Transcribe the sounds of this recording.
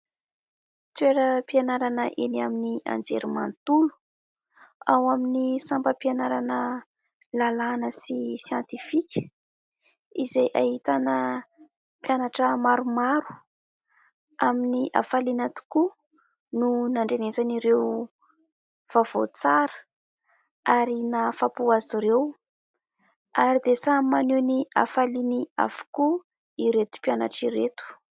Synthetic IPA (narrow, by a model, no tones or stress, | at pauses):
t͡s̪weɾəpianaɾanəʔenaminia̰nd͡zḛɾimant̪ulu̥ | awaminisambəpianaɾanə | lalanəsisjant̪ifikʲə̥ | izejʔaɦit̪anə | pjanaʈ͡ʂəmaɾumaɾu̥ | aminiʔa̰falinat̪u̥ku | nunaɳɖ͡ʐenezaniɾew | v̥av̥o̰t͡saɾə̥ | aɾinafapuaziɾew | aɾid̪esamanenia̰falinia̰vu̥ku | iɾet̪u̥pjana̰ʈ͡ʂiɾet̪u̥